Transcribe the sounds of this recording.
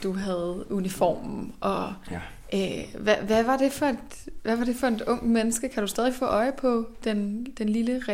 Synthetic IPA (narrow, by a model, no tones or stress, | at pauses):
d̥uɦæð̞̩ˠunifɒ̰ːmn̩ʔɒ̽ | ʔøʋæʋæʋɑ̈d̥e̝fɒ̽e̝d̥ | ʋæʋɑ̈ɾ̥e̝fɒ̽e̝d̥ɔ̽ŋ̰d̥menəsɡ̥əkʰæɾ̥usd̥ɛðˠifɔ̰ːʔɒ̽ɪəpʰɒ̽d̥end̥enliləʁɛ